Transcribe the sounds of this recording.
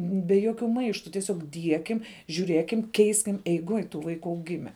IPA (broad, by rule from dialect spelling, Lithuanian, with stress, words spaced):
bʲɛ ˈjoːkʲʊ ˈmɐɪʃtʊ tʲiɛˈsʲoːk ˈdʲiɛkʲɪm ʒʲuːˈrʲeːkʲɪm ˈkʲɛɪsʲkʲɪm ɛɪˈɡoːj tuː ˈʋɐɪkʊ ɐʊˈɡʲɪmʲɛ